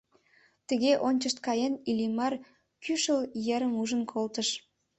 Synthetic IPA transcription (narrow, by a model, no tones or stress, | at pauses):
t̪əɣeʔonʲt͡ɕəʃt̪̚kɑjenilimɑr | kyʃəljəɾəmuʒənkʰolt̪əʃ